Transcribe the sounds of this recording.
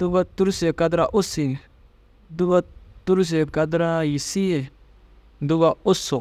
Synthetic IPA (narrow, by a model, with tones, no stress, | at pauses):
du˦ba˦t̪ːu˦ɾse˨ka˦dɾa˦ʔu˦si˨ | du˦ba˦tːu˦ɾs̬e˨ka˧dɾa˦ji˨si˦e˨ | du˦ba˦u˦su˨k